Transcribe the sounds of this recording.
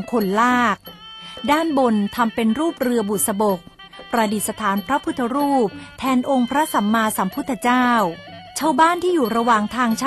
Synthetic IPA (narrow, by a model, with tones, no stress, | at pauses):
kʰo˧nlaː˥˩k̚daː˥˩nbo˧nt̪ʰa˧mpe˧nɾuː˥˩p̚ɾɯ˧ɐbu˨˩t̪̚sa˧bo˨˩k̚ | pɾa˧di˨˩t̪̚sa˧t̪ʰaː˩˦npʰɾa˦˥pʰu˦˥t̪ʰːa˧ɾuː˥˩p̚t̪ʰɛː˧nʔo˧ŋpʰɾa˦˥sa˩˦mːaː˧sa˩˦mpʰu˦˥t̪ʰːa˧t͡ɕaː˥˩w | t͡ɕʰaː˥˩wbaː˥˩nt̪ʰiː˥˩juː˨˩ɾa˧wa˨˩ŋt̪ʰaː˧ŋt͡ɕʰ